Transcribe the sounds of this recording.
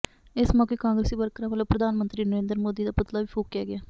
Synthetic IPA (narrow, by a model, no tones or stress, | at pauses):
ɪsmɔːkeːkãːŋɡɾeːsiːbəɾkɾãːʋəlõːpɾəd̪ʱaːnmənt̪ɾiːnəɾeːnd̪ɾmoːd̪iːd̪aːpʊt̪laːʋiːpʰuːkːaːɡɪaː